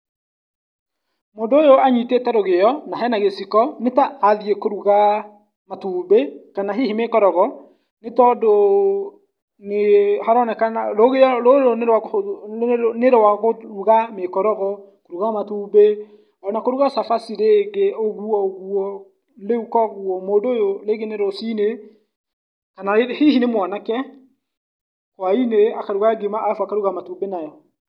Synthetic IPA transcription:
mondoːjoaɲitetaɾoɣejɔnaɦɛnaɣesikɔnetaʔːðiekoɾuɣa | matubekanaɦehimekɔɾɔɣɔ | netɔdo | nehaɾɔnɛkanaɾoɣeɔɾoɾonɾa | neɾwaɣoɾuɣamekɔɾɔɣɔ | koɾuɣamatube | nakoɾuɣasafasiɾeɣeoɣuɔoɣuɔ | leukɔɣuɔmoːdojoɾeɣeneɾosine | kanaehiɦinemwanakɛ | kwaineakaɾuɣaɡemaːfwakaɾuɣamatubenajɔ

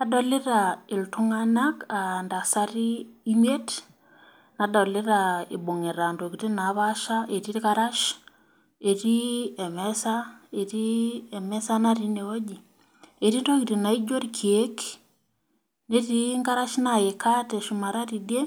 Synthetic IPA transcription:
nadɔleɾaeltuŋanakandasaɾiimiɛt | nadaleɾaḭboŋeɾandoɣiɾinaβaʃaʔeɾiɾiɣaɾaʃ | eɾiɛmɛsaeɾiɛmɛsanaɾineɔɟi | eɾindoɣiɾenaiɟoɾikʰiek | neɾiŋɡaɾaʃnajekatɛʃumaɾaɾide

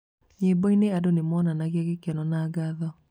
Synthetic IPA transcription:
ɲeːbɔineadonemɔːnanaɣiaɣekɛnɔnaːɡaðɔ

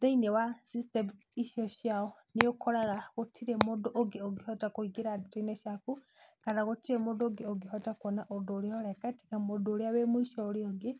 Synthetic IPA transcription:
ðeinewasistemtiʃoʃiaonijokʰoɾaɣaɣotʰiɾemodoʔoɡioɡihotakoiɡiɾaditoineʃaku | kanaɣutiɾemudoɡioɡiɦotakonaʔodoɾihoɾekati̥kamodoɾiaβemwiʃoɾioɡi

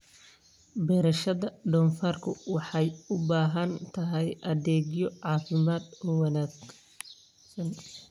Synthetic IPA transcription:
bɛːɾɐʃɐðɐɖɔːnfaːrkʰʊwɑħɑjʊbaːɦɐnt̪ʰɐɦɛjʔɐðɛːɡjɔʕɑːfɪmaːd̪ɔwɐnaːɡ | sɐn

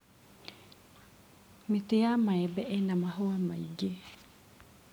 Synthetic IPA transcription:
mitejamaɛbɛʔɛnãmaɦowama̰iɡe

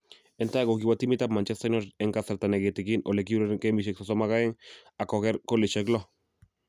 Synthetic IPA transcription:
ent̪aɣokiβat̪imit̪amant͡ʃest̪ajnoɾeŋkaseɾt̪aneɣit̪ekinʔolek̬iuɾekembiʃ̬eksosomaɣaeŋakoɣeɾkoliʃeklo

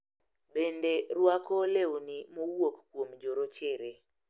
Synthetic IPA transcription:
bendeɾwakolewnimowokːwomd͡ʒoɾot͡ʃɪɾe

